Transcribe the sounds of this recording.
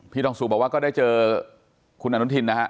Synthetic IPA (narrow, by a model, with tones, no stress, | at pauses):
pʰiː˥˩dɔː˧ŋsu˨˩bɔː˨˩kwaː˥˩kɔ˥˩daː˥˩jt͡ɕɤː˧ | kʰu˧nʔa˧nu˦˥t̪ʰi˧nːa˦˥kʰa˦˥ʔ